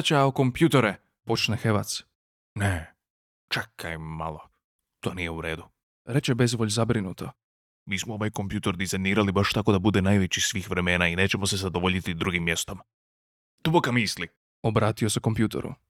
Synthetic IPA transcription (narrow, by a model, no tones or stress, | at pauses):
t͡ɕaoko̞mpjut̪eɾe | po̞t͡ʃnexeʋat̪s | ne | t͡ʃekːajmma̰lo̰ | t̪o̞ːnije̞uɾe̞ːd̪u | ɾet͡ɕebe̞zʋoʎzabɾinut̪ʰo | miːsmooʋajkompjuːt̪eɾd̪izajniːɾalibaʃt̪ako̞d̪abud̪e̞najʋet͡ɕisʋiːxʋɾe̞me̞ːnaine̞ːt͡ɕe̞mo̞se̞zad̪oʋoʎit̪id̪ɾuɡimːje̞st̪oma | d̪̥ubokamisli | obɾaːt̪ioseko̞mpjuːt̪ḛɾṵ